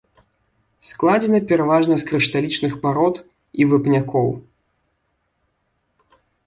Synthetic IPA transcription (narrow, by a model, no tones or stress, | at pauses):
sklˠad͡zʲɛnɐpʲɛɾavaʐnɐsʲkɾɨʂt̪alʲit͡ʂnɨxpaɾɔt̪ | ivɨpnʲakɔw